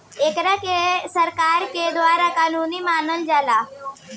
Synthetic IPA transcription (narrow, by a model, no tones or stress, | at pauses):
eːkɾakesəɾkaːɾked̪ʋaːɾakaːnuːnimaːnəld͡ʒaːla